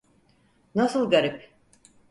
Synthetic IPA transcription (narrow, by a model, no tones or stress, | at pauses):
nasɯlˠɡaɾip